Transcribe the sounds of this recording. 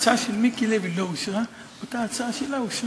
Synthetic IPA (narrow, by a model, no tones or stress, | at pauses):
t͡saʃelmikilevilouʃʁa | ot̪aːt͡saʃelauʃ